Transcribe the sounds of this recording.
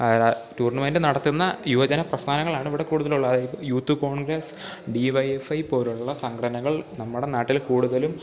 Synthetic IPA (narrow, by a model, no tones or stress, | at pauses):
tuːrɳɐmeːndɨnɐɽɐt̪ːunːɐjuʋɐd͡ʑɐnɐprɐst̪ʰaːnɐŋːɐɭaːɳiʋiɽekuːɽuðɐluɭːɐɐðjjuːt̪ːuko̞ːɳɡɾɐs | ɖiʋɐjefɐjpo̞ːɾuɭɭːɐsɐŋkʰɐɽɐnɐŋːɐɭnɐmːuɽe̞naːʈːilkuːɽuðɐlum